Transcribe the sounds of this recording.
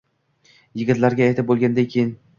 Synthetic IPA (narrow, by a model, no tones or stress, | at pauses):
jɪɡʲɪt̪laɾɡʲaaːjt̪ʰɪp̚bolˠɡʲand̪ankʲʰejɪn